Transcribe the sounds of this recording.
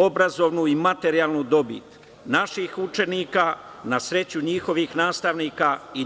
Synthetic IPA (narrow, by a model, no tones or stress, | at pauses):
o̞bɾazo̞ʋnuimat̪e̞ɾijaːlˠnud̪o̞bḭt̪ | naʃixut͡ʃe̞niːkanasɾe̞t͡ɕuɲixo̞ʋixnaːst̪aʋniːkai